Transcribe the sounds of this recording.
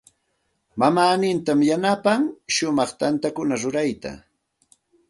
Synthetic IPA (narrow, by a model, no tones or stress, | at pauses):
mamaːnɪnt̪amjanapaŋʃʊmɑχt̪ant̪akʊnaɾʊɾajt̪a̰